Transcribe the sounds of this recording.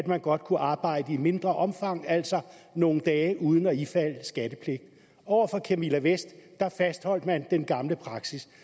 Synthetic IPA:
æd̥mænɡ̥ɒ̽d̥kʰuʔɑ̈ːb̥ɑ̈ɪ̰d̥əime̝nd̥ʁɐʔɒ̽mfɑ̈ŋ̰æl̰sɒ̽ | no̝ːn̩d̥ɛːʔuːð̞ˠn̩ɒifæl̰sɡ̥æd̥əpʰle̝ɡ̥̚d̥ | ɒʊ̰ɐfɒ̽kʰemilæʋesd̥ːɑ̈fæsd̥hɒ̽l̰d̥mænd̥enɡ̥ɑ̈mləpʰʁɑ̈ɡ̥sis

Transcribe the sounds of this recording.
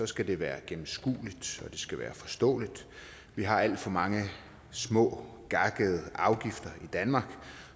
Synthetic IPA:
sɒ̽sɡ̥æd̥e̝ʋæːɐɡ̥emm̩sɡ̥ṵːlid̥ɒ̽d̥e̝sɡ̥æʋæ̰ːɐfɒ̽sd̥ɔ̰̽ːlid̥ | ʋiɦɑ̈æl̰d̥fɒ̽mɑ̈ŋə | smɔ̰̽ː | ɡ̥ɑ̈ɡ̥əð̞̩ˠəɑ̈ʊɡ̥ifd̥ɐid̥ænmɑ̈ːɡ̥

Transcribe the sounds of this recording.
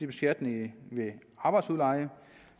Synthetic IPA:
ib̥e̝sɡ̥æd̥neŋʋeɑ̈ːb̥ɑ̈ɪd̥suðˠlɑɪə

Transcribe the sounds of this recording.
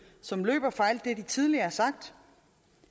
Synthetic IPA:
sɒ̽mlø̰ːb̥ɐfɑ̈ɪld̥e̝d̥it͡sʰið̞ˠliɐæsɑ̈ɡ̥̚d̥

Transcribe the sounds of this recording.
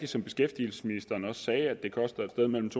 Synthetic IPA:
d̥isɒ̽mb̥e̝sɡ̥efd̥ḭl̩sə̥sminisd̥ɐːnɒ̽ssɛːæd̥e̝kʰɒ̽sd̥ɐed̥sd̥eð̞ˠmel̰m̩t͡sʰo̝

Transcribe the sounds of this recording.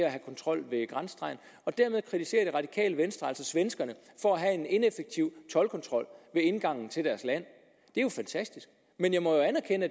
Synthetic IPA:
æɦækʰɒ̽nt͡sʰʁɒ̽l̰ʋe̝ɡ̥ʁɑnsd̥ʰʁɑ̈ɪn̩ | ɒ̽d̥æɐ̰meðˠkʰʁit͡sʰise̝̰ːɐd̥eʁɑ̈d̥ikʰɛ̰ːləʋensd̥ʁɐælsɒsʋensɡ̥ɐnə | fɒ̽æɦæe̝ne̝nefeɡ̥̚t͡sʰiʊ̰t͡sʰɒ̽lkʰɒ̽nt͡sʰʁɒ̽l̰ʋe̝e̝nɡ̥ɑ̈ŋ̰n̩t͡sʰe̝ld̥æɐslæn̰ | d̥e̝jo̝fænt͡sʰæsd̥isɡ̥ | menjɑ̈ɪmɒ̽joænæɐkʰenə

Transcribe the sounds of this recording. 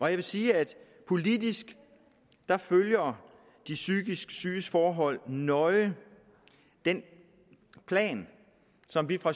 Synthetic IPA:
ʔɒ̽jɑɪʋe̝siːæd̥ | pʰo̝lidisɡ̥ | d̥ɑ̈føljɐ | d̥isyɡ̥isɡ̥ə̥sy̥ːəsfɒːɦɒ̽l̰nɒ̽ɪə | d̥en | pʰlɛ̰ːn | sɒ̽mʋifʁɑ̈

